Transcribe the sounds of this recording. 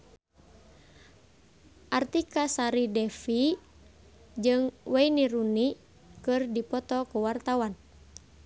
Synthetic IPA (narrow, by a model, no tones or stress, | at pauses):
ʔart̪ikasaɾidɛfi | d͡ʒɨŋwɛiniɾuni | kɨrdipɔt̪ɔkuwart̪awan